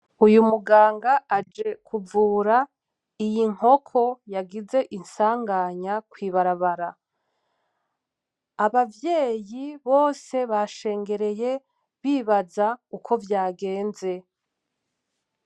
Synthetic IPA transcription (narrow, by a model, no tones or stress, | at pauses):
ujumuɡaːŋɡaad͡ʒe̞kʰuvuːɾa | ijiŋ̥ho̞kʰo̞jaɡize̞ʔinsaːŋɡaɲakwiːβaɾaβaɾa | aβavje̞ːjiβo̞ːse̞βaʃe̞ːŋɡe̞ɾe̞je̞ | βiːβazaukʰo̞vjaːɡe̞ːnze̞